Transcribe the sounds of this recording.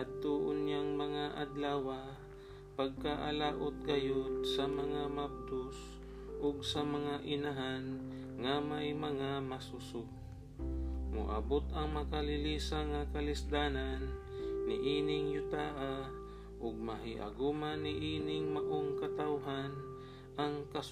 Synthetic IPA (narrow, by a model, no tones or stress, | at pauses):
ʔad̪̚t̪uʔʊnjaŋmɐŋaʔa̰d̪laːwa | pɐɡ̚kaʔa̰laːʔot̪̚ɡɐjod̪sɐmɐŋamap̚t̪ʊs | ʔoɡsɐmɐŋaʔɪnaɦan | ŋamajmɐŋamasʊsʊ | mʊ̰ʔa̰bot̪ɐŋmɐkalɪliːsaŋakɐlɪsd̪aːnanː | ɪ̰ʔiːnɪŋjʊt̪aːʔa | ʔʊɡ̚mɐɦɪʔa̰ɡumanːɪʔiːnɪŋmɐʔoŋkɐt̪awɦan | ʔɐŋkɐs